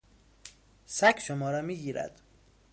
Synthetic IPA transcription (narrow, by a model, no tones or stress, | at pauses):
sækʰʃomɒːɾɒːmiːɡiːɾæ̰d̪̥